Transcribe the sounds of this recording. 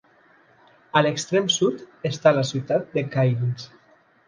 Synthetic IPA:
alekst̪ɾemsut̪est̪alasit̪at̪̚d̪ekajlis

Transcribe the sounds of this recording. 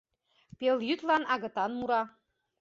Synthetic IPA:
peljyt̪lɑnɑɣɤ̆t̪ɑnmuɾɑ

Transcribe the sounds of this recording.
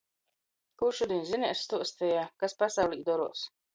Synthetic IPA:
kuɾʃud̪inzinɛsst̪uɔst̪ɛjaːkaspasawlʲˠiːd̪ɔɾuɔs

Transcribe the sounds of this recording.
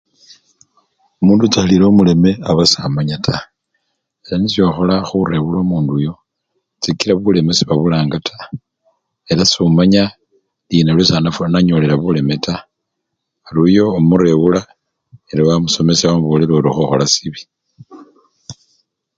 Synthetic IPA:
omuːndut͡saliɾoːmule̞me̞aβasamaɲatʰa | eɾanisiaxo̞laxuɾe̞βuloːmuːndujo̞ | t͡sikiɾaβule̞me̞siβaβulaːŋɡatʰḁ | elasumaɲa | linalwesanafuanaɲo̞le̞ɾaβule̞me̞ta | alujo̞ːmuɾe̞βula | eɾawamuso̞me̞saβamuβoːleɾoɾoxoxolasiβi̥

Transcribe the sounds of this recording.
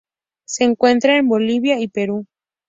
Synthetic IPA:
seːŋkwe̞nt̪ɾaemboliβjaipeɾu

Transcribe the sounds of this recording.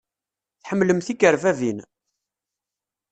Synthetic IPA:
θħəmːləmθikəɾvævin

